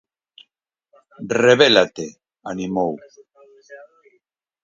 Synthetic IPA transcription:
reβelat̪e | animow

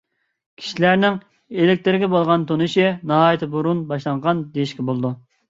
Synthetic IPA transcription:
kʲʰi̥ʃilæɾnɪŋ | elɪkʲt̪ɪɾɡʲɛbolˠʁɑnt̪ʰonɨʃinɑɦɑːjit̪ʰɪbuɾunbɑʃlˠɑɴʁɑnd̪ejiʃkʲɛbolˠɨd̪u

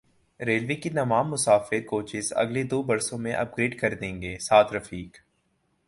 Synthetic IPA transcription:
ɾeːlʋeːkinɐʋaːmːʊsaːfɪɾkoːt͡ʃɪsɐ̰ɡled̪oːbɐɾsõmẽʔɐ̰p̚ɡɾeːɖkɐɾd̪ẽːŋɡeːsaːt̪ʰɾɐfiːk

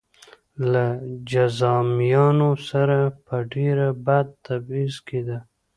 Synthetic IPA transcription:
lad͡ʒazɑmjɑnosaɾapəɖeɾabad̪̚t̪abizked̪a

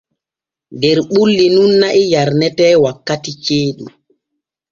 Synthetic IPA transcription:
dɛɾɓulːinunːaʔɛjaɾnɛtɛːwakːatit͡ʃeːɗṵ

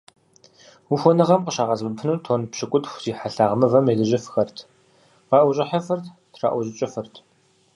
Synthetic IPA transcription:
wuxʷɔnɨʁɐmqʼəʃaːʁɐzbɨpʰnuːtʰoːnpɕɪkʷʼʊtxʷziːħaɬaːʁmɐvɐmeːdɨʑɪfxɐrtʰ | ʁɑːʔʷɔɕʼɪħafɨrt | tʰra̰ːʔʷɔʑɪt͡ʃʼɪfɨrtʰ

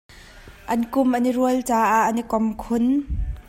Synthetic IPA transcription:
ʔɐnkʊmʔɐniɾuəlt͡saːʔaʔənikɔmkʰʊn

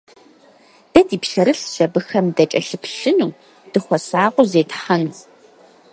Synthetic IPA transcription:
d̥ɐdiːpɬɐɾɨɬʒ̥ɐbɨxɐmdɐt͡ʃʼɐɬɨpʰɬɨnuː | d̥ɨχʷɔsaːqʷʼʊzeːtħɐn

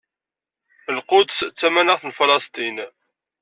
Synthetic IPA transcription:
əlqʊd̪əst͡sːæmænəʁθnflɑst̪ˤin

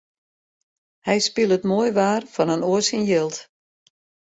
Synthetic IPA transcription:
hɛjspilˠətmoəjʋaːrfɔnənoəsinjɪlˠt

